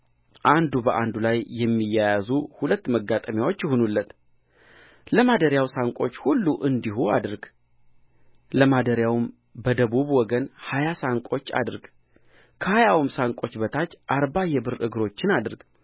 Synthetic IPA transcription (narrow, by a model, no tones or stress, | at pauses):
ʔand̪ubəʔand̪ulajjːɛmːijːajazuhulət̪ːməɡːat̪ʼəmjawo̞t͡ʃːjɪhonulːət̪ | ləmad̪əɾjawsaŋkʼo̞̰t͡ʃːhulːuʔɨnd̪iɦua̰d̪ɾɡ | ləmad̪əɾjawm | bəd̪əβuβwɔɡənhajasaŋkʷʼo̞t͡ʃːa̰d̪ɨɾɡ | kʰəhajawmsaŋkʼo̞t͡ʃːbət̪ʰat͡ʃːʔaɾbajɛbɨɾɨ̰ɡɾo̞t͡ʃːɪnad̪ɨɾɡ